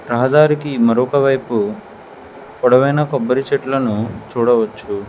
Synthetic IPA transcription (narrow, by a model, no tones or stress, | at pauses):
ɾɐɦɐd̪aːɾikimɐɾɔkɐʋɐjpu | kɔɽɐʋɐjnɐkɔbːɐɾit͡ʃeʈlɐnut͡ʃuːɽɐʋɐt͡ʃːu